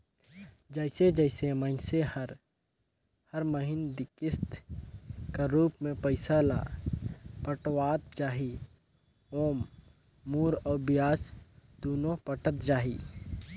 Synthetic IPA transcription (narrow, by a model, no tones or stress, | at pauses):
d͡ʒɛːɪsed͡ʒɛɪsemənsehəɾ | həɾməɦɪnd̪ɪkɪst̪ | kaɾuːpmẽpəɪsala̰ː | pəʈwaːt̪t͡ʃaːɦi | oːmː | uːɾɔːɾbɪjaːt͡ʃd̪oːnõpəʈət̪d͡ʒaːɦiː